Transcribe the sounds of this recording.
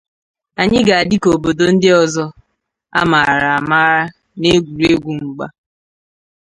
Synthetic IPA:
a˨ɲɪ˦ɡa˨a˨dɪ˦ko˨bo˨do˨n̩˦dɪ˦ɔ˨zɔ˦ | a̰˦ma˨ɾa˨a˨ma˦ɾa˦ | ne˦ɡʷu˨ɾe˦ɡʷu˨ŋ͡m̩˨ɡ͡ba̰˦

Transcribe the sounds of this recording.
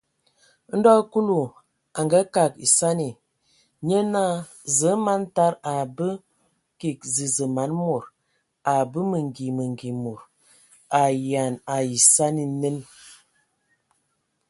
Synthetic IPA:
n̩˦dɔ˦ku˦lu˨ | a˨ŋɡa˦ka˨kḭ˨sa˦ni˨ | ɲə˦na˦˨ | zə˨˦ma˦nta˦ɾa˨bə˦ | ki˨k̚zi˨zə˨ma˨˦nmo˨ɾ | a˨bə˦mə˨ŋ˨ɡi˨mə˨ŋ˨ɡi˨mo˨ɾ | a˨ja˨na˨i˨sa˦ni˨nə˦n

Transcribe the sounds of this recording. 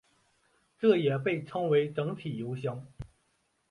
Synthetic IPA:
ʈ͡ʂɤ˥˩jɛ˨˩pe˥˩ɪʈ͡ʂʰɤ˥ŋwe˧˥ɪʈ͡ʂɤ˧˥ŋt̪ʰi˨˩jo˧˥ʊɕjɑ˥ŋ

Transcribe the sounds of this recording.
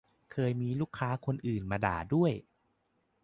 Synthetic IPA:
kʰɤː˧jmiː˧luː˥˩kʰːaː˦˥kʰo˧nʔɯː˨˩nmaː˧da̰ː˨˩du˥˩əj

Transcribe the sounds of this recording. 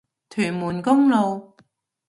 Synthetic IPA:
t̪ʰyː˨˩nmuː˨˩nkʊ˥ŋlo˨˧w

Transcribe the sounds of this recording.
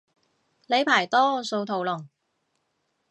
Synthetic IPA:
le˨˧jpʰaː˨˩jt̪ɔː˥so˧wt̪ʰo˨˩wlʊ˨˩ŋ

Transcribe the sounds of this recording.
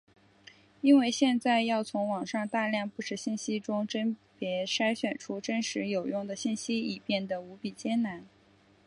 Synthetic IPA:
i˥nwe˥˧ɪɕjɛ˥˧nt͡sa˥˧ɪjɑ˥˩ʊt͡sʰʊ˧˥ŋwɑ˨˩ŋʂɑ˥˧ŋt̪a˥˧ljɑ˥˧ŋpu˥˩ʂɻ̩˨˩ɕi˥˩nɕi˥ʈ͡ʂʊ˥ŋʈ͡ʂə˥npjɛ˧˥ʂa˥ɪɕɥɛ˨˩nʈ͡ʂʰu˥ʈ͡ʂə˥nʂɻ̩˧˥jo˨˩ʊjʊ˥˩ŋd̪ə˩ɕi˥˩nɕi˥i˨˩pjɛ˥˩nd̪ə˩u˧˥pi˨˩t͡ɕjɛ˥nna˧˥n

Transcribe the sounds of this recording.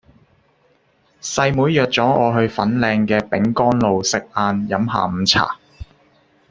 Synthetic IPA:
sɐ˧jmuː˨˥jjœː˨t̚t͡sɔː˨˥ʔɔː˨˧ɦɵ˧ɥfɐ˨˥nlɛː˧ŋkɛː˧pɪ˨˥ŋkɔː˥nlo˨˧wsɪ˨k̚ʔaː˧njɐ˨˧˥mɦa̰ː˨˩m̩˨˧t͡sʰa̰ː˨˩

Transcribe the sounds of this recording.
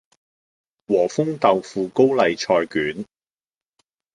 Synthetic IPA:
wɔː˨˩fʊ˥ŋt̪ɐ˨wfuː˨ko˥wlɐ˨jt͡ʃʰɔː˧jkyː˨˥n

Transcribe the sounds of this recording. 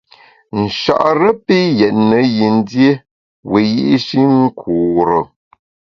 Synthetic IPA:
n̩˨ʃa̰˨ʔɾə˦pi˦jɛ˨tnə˨˦ji˨n˦dje˦ | we˨ji˦ʔi˦ʃi˦ŋ̩˦kʰuː˨ɾə˨

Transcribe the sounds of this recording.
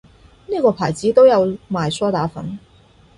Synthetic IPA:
niː˥˩kɔː˧pʰaː˨˩jt͡siː˨˥t̪o˥wjɐ˨˧wmaː˨˩jsɔː˥t̪aː˨˥fɐ̰˨˥n

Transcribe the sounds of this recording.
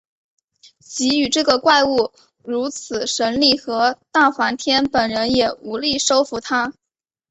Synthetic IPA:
t͡ɕi˧˥y˨˩ʈ͡ʂɤ˥˩ɡə˩kwa˥˧ɪu˥˩ | ɻu˧˥t͡sʰɹ̩˨˩ʂə˧˥nli˥˩xɤ˧˥t̪a˥˩xwa˧˥nt̪ʰjɛ˥npə˨˩nɻə˧˥njɛ˨˩u˧˥li˥˩ʂo˥ʊfu˧˥t̪ʰa˥

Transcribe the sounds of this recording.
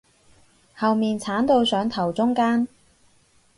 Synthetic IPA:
hɐ˨wmiː˨nt͡sʰaː˨˥nt̪o˧wsœː˨˥ŋt̪ʰɐ˨˩wt͡sʊ˥ŋkaː˥n

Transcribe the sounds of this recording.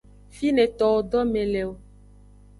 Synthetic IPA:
fi˦ne˨t̪ɔ˨wo˨ɖɔ˦me˨lɛ˨wo˦

